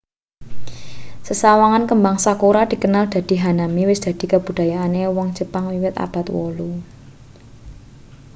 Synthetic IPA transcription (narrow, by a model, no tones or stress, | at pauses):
səsawaŋankəmbaŋsakuɾad̪̥i̤kənald̪̥a̤d̪̥i̤ɦanamiwɪsd̪̥a̤d̪̥i̤kab̥ṳd̥̪a̤jaːnewɔŋ̥d͡ʒ̥əpaŋwiwɪt̪a̰b̥a̤t̪wɔ̰lu